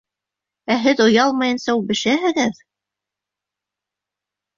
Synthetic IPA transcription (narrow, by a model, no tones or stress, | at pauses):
æɦɘðŏjɑlˠmɤjɤ̆nsɑulˠbɘ̆ʃæɦɘ̆ɣɘð